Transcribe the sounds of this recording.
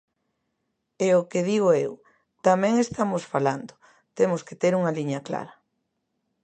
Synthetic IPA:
eokeðiɣoew | t̪amɛ̃ŋest̪amʊsfaland̪ʊ̥ | t̪emʊsket̪eɾuŋɐliɲɐkla̰ɾɐ

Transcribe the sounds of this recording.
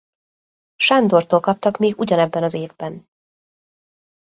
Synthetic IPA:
ʃaːnd̪ort̪oːlkɒp̚t̪ɒkmeːɡuɟɒnɛbːɛnɒzeːvbɛn

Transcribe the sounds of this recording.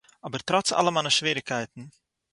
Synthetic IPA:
ɔbəɾtɾɔt͡sa̰lˠəmanəʃʋiːɾɪkɛɪtn̩

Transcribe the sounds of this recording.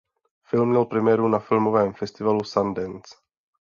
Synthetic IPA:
fɪlmɲɛlpɾɛmɛɾunafɪlmovɛːmfɛst̪ivalusand̪ɛns

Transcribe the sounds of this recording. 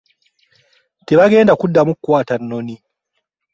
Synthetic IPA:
teβaɡe̞ːndakudːamukwaːtanːo̞ni

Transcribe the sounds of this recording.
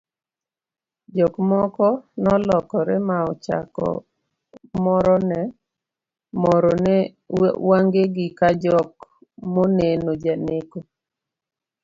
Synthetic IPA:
d͡ʒɔkmɔkɔnɔlɔkɔɾɛmaɔt͡ʃa̰kɔ̰ | mɔɾɔnɛ | mɔɾɔnɛ̰ | waŋɡeɡɪkad͡ʒɔk | monenod͡ʒaneko

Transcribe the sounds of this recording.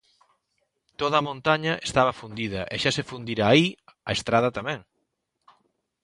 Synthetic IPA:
t̪oðɐːmõnt̪aɲɐʔest̪aβɐfund̪iðɐʔɛʃasefund̪iɾaiaest̪ɾaðɐt̪amɛ̃ŋ

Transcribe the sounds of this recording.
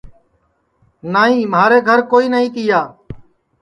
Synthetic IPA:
naːɦĩːməaːɾeːɡʱəɾkoːiːnəɦĩːt̪ɪjaː

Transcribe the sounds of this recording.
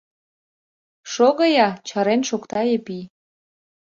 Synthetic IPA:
ʃoɣəjɑt͡ɕɑɾenʃokt̪ɑjepi

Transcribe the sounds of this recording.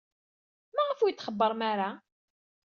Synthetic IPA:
mæʁəfujət̪ːχəbːəɾˤmaɾa

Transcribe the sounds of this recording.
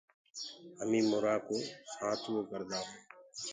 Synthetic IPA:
əmĩːmʊɾaːkoːsaːt̪ʰʋokəɾd̪aːɦoː

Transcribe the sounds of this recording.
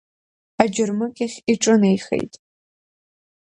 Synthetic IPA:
ad͡ʒʊrmɨkʲʼaχʲiʈ͡ʂʼɨnejχḛjtʼ

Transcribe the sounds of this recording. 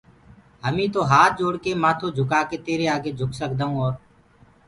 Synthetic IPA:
ɦəmĩːt̪oːɦaːt̪̚d͡ʒoːɽkeːmãːt̪ʰoːd͡ʒʱʊkaːkeːt̪eːɾeːaːɡeːd͡ʒʱʊksəkd̪aːũːoːɾ

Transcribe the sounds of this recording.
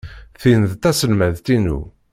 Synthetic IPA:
θinəðt̪æsəlmæðt̪inṵ

